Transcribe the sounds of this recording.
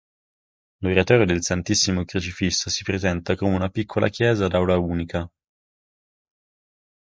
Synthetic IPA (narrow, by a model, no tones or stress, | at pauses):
loɾat̪ɔːɾjod̪elsant̪isːimokɾut͡ʃifisːosi̥pɾezɛnt̪akomeunapikʰːolʔa̰kjɛːzad̪awlauːnikʰa